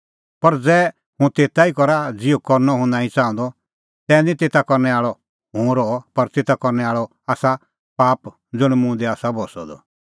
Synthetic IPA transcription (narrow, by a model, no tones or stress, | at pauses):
pɐɾd͡zɛː | hũt̪eːt̪aikɔɾad͡zɪokɔɾnɔɦʊ̃naːĩt͡sãːɔ̃nd̪ɔ | t̪ɛ̃ːndĩt̪eːt̪akɔɾnɛaːɭɔ | ɦũɾɔpɐɾt̪eːt̪akɔɾnɛaːɭɔ | aːsa | paːp | d͡zʊɽ̃mʊ̃d̪ɛaːsabɔsɔ̰d̪ɔ̰